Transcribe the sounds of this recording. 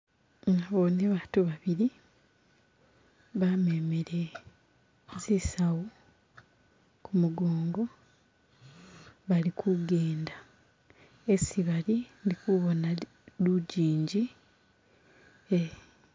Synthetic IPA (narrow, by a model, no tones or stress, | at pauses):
ŋaβoneβaːtuβaβiɾi | βame̞meɾe | zisawo | kumuɡoːŋɡo̞ | βalikʰuɡeːnda | esiβalindikuβo̞na | luɟiːɲɟi | e